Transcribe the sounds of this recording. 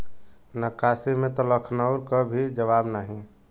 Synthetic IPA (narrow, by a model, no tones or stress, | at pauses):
nəkasimẽt̪ɔləkʰnəʊɾkɔbʱid͡ʒəβabnaɦĩ